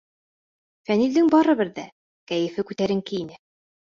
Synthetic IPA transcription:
fænild̪ɘŋbɑɾɤβɘɾðæ | kæjɘ̆fɘkʉt̪æɾɘ̆ŋkɘinɘ

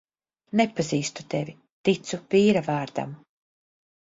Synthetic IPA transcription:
nepaziːst̪u̥t̪evi | t̪it̪supiːɾavɑːɾd̪a̰m

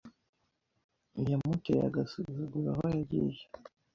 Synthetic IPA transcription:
ijamuteja̰ɡasuzuɡuɾa̰hojaɟḭːʒa

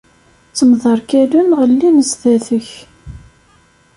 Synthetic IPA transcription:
t͡sːəmðˤɑɾˤkælunʁəlːiməzðæθəç

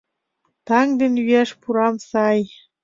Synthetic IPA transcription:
t̪ɑŋd̪enyæʃpuɾɑmsɑj

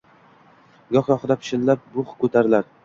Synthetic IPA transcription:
ɡɒχjɒχd̪apʰɪ̥ʃɪnlap̚bʊχkʰɵt̪ʰaɾɪlaɾ

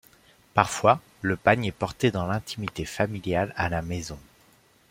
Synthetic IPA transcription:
paʁfwa | ləpaɲɛpɔʁt̪ed̪ɑ̃lɛ̃t̪ʰimit̪efamiljalalamezɔ̃

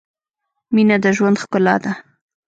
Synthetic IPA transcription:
minad̪əʒwand̪xkʊlɑ̰d̪a

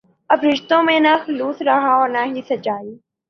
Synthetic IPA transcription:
ɐbɾɪʃt̪õmẽnaxʊluːsɾɐɦaɔːɾnaɦisɐt͡ʃaːiː

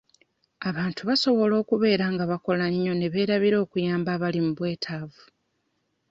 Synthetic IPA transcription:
aβaːntuβaso̞βo̞lo̞ːkuβe̞ːɾaːŋɡaβako̞laɲːo̞ne̞βe̞ːɾaβiɾo̞ːkujaːmbaːβalimuβwe̞ːtʰaːvu

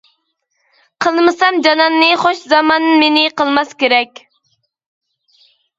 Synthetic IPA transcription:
qʰəlˠmɨsɑmd͡ʒɑnɑnːɨχoʃzɑmɑnmenɪqəlˠmɑskʲeɾɛkʲ

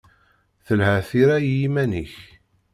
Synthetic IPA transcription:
θəlhəθiɾæjjimæniç

